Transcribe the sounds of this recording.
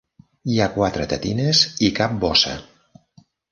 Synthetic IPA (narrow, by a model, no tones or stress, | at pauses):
iakwat̪ɾət̪ət̪inezikap̚bɔsə̰